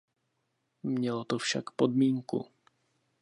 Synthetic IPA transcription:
mɲɛlot̪ofʃa̰kpodmiːŋkṵ

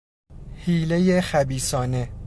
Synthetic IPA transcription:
hiːlejexæbiːsɒːne̞

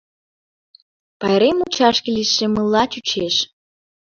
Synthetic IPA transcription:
pɑjɾemut͡ɕɑʃkiliʃːemɨlːɑt͡ɕut͡ɕeʃ

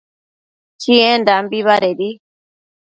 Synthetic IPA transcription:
t͡ʃiɛndambiβaɾɛɗi

